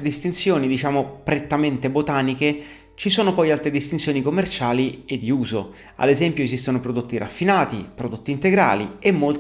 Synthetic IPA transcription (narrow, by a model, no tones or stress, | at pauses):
d̪ist̪insjoːnid̪it͡ʃaːmopɾet̪ːament̪ebot̪aːnike | t͡ʃisoːnopɔjalt̪ɾed̪ist̪int̪sjoːnikomːert͡ʃaːlied̪ːiuːzo̰ | a̰d̪ezɛmpjoezist̪onopɾod̪ot̪ːiɾʔa̰fːinaːt̪ḭpɾod̪ot̪ːiːnt̪eɡɾa̰ːlḭemːol